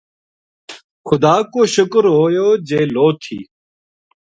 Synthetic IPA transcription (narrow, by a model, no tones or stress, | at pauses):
xʊd̪aːkoːʃʊkɾɦoːjoːd͡ʒeːloːt̪ʰḭː